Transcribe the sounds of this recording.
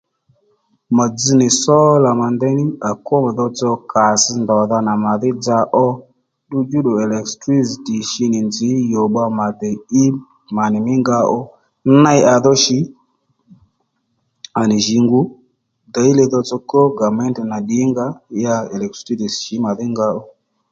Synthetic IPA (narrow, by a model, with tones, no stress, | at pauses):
ma˨d͡zi˧nɪ˨sɔ˦la˨ma˨ndɛ˦nɪ˦a˨kɔ˦m˨ðɔ˧t͡sɔ˧kʰa˨sɪ˧ndɔ˨ða˧na˨ma˨ðɪ˦d͡za˧ʔɔ˦ | ɗu˦d͡ʒu˦ɗo˨ɛ˨lɛ˨kstɾi˦sti˨ʃi˦nɪ˨nd͡zɪ˨˦jɔ˨ɓa˧ma˨dɛ˨i˦ | ma˨nɪ˨mɪ˦ŋɡa˧˦ʔɔ˦ | na˦ɪ˦ʔa˨ðɔ˦ʃi˨˦ | a˨nɪ˨ʒi˨ŋɡu˦ | da˨˦i˦lɛ˧ðɔ˧t͡sɔ˧kɔ˦ɡa˨mɛ˦nti˨na˨ɗi˨˦ŋɡa˦ja˧ɛ˨lɛ˨k̚tɾi˦ti˨sʃi˨˦ma˨ðɪ˦ŋɡa˧ɔ˦